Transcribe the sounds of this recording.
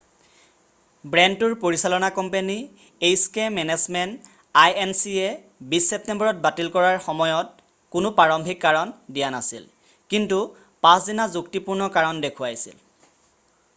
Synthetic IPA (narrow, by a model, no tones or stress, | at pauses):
bɹɛntuɹpoɹisalɔnakɔmpeni | ejskemɛnɛzmɛnt | ajɛnsiɛ | bisːɛp̚tembɔɹɔt̚batilkɔɹaɹxɔmɔjɔt̚ | kʊnʊpaɹɔmbʱikːaɹɔndijanasḭl | kintu | pãszinazuktipuɹnɔkaɹɔndekʰʊajsḭl